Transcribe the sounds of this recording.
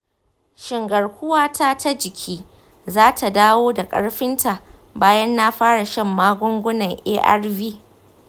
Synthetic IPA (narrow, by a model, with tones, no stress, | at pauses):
ʃɪ˨ŋɡɐ˨rkʷʊ˦waː˦ta˦tʰa˦d͡ʒɪ˨kʲʰiː˦ | zaː˦tʰa˨daː˦woː˦da˨kʼɐ̰˦ɽɸɪ˦ntʰa˨ʔ | baː˦jɐ˦nːa˦ɸaː˦ɽa˨ʃɐ˦˨mːaː˦ɡʷʊ˦ŋɡʷʊ˦nɐ˨ŋʔeː˦ʔɐ̰˦rviː˦